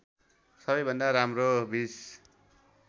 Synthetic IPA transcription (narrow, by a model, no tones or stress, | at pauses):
sʌbʌjbʱʌnd̪aɾamrobis